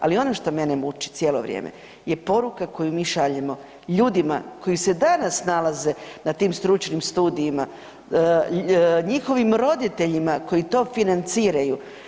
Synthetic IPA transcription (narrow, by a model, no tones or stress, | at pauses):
a̰lio̞noʃt̪o̞me̞nemut͡ʃi̥t̪sje̞ːlˠo̞̰ʋɾjḛːmḛ | je̞po̞ɾukako̞jumiːʃaʎemo̞ | ʎuːd̪ima̰ko̞jise̞d̪anasnalaze̞nat̪iːmst̪ɾut͡ʃnimst̪uːd̪iːma | ɲixo̞ʋimɾo̞d̪it̪e̞ʎimako̞jit̪o̞ːfinant̪siːɾaju